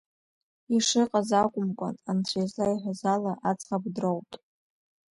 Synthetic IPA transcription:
iʂɨqʼazakʷʼʊmkʷʼa̰nant͡ɕʷʰazlaiħʷᶣazalaʔat͡sʼχab̚drowpʼ

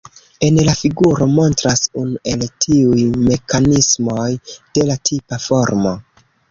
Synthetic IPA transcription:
e̞nlafiɡuɾo̞mo̞ntɾasunuʔe̞ltʰiujme̞kanismo̞jd̥e̞latʰipafo̞ɾmo̞

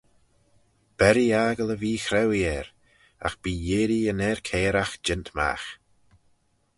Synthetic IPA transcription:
b̥ɛɾiaɡələviːxɾɛwiɛɾ | a̰xb̥iːjeːɾiənɛːɹkʰɛːɾaxd͡ʒɪntma̰x

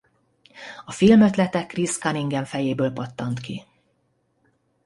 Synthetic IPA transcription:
ɒfilmø̞t̪lɛt̪ɛkːriskɒniŋɡɛɱfɛjeːbøːlpot̪ːɒnt̪ki

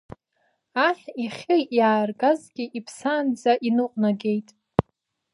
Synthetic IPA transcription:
aħiχʲejjaːrɡazɡʲiʔipʰsaːnd͡zaʔinɨqʼnaɡʲe̞jtʼ

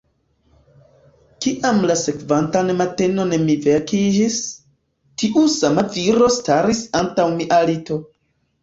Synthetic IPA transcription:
kiʔamlase̞kvantanmateno̞nmivekid͡ʒis | tiʔusamaviɾo̞staɾisantawmiʔalito̞

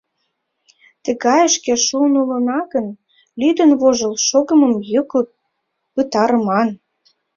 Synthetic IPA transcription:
t̪ə̆ɣɑjəʃkĕʃunulə̆nɑɣən | lyd̪ə̆nβoʒə̆lʃoɣə̆məmjəkɤ | pət̪ɑɾə̆mɑn

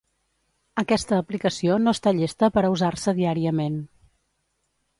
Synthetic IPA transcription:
əkɛst̪əːplikəsionoəst̪aʎest̪əpəɾəuzarsəðiaɾiəmen

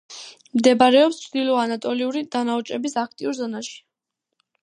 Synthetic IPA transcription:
md̪ɛbaɾɛɔpst͡ʃʰɾd̪ilɔanat̪ʼɔliuɾid̪̥anaut͡ʃʼɛbisak̚ʰt̪ʼiuɾzɔnaʃi̥

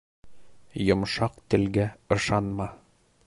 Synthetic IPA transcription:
jŏmʃɑqt̪ɘ̆lɡæɤ̆ʃɑnmɑ

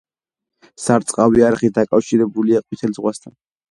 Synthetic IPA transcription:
saɾt̪sʼqʼaviaɾχit̪̚d̪akʼafʃiɾɛbuliaqʼwit̪ʰɛlzʁwast̪ʰan

